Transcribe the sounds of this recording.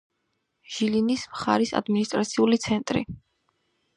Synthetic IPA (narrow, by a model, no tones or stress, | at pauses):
ʒ̥ilinismχa̰ɾisa̰d̪minist̪ʼɾat̪sʰiulit̪sʰɛnt̪ʼɾḭ